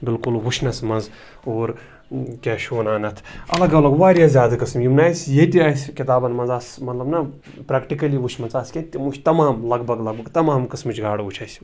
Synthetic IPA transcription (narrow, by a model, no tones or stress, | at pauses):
bɪlkulwut͡ʃʰnɐsmɐnz | oːɾ | kʲeːʃoːnaːnɐt̪ʰɐlɐɡɐlɐɡʋaːɾjaːzʲjaːd̪ɐkɐsmjimnaːsʲjet̪iaːsʲkit̪aːbɐnmɐnzaːsmɐt̪lɐbnɐ | pɾaːkʈikɐliʋut͡ʃʰmɐnt͡saːskʲet̪ʲːimut͡ʃʰt̪ɐmaːmlɐɡbʱɐɡlɐɡ̚bɐɡt̪ɐmaːmkɐsmɨt͡ʃʰɡaːɽɐut͡ʃʰɐːsʲ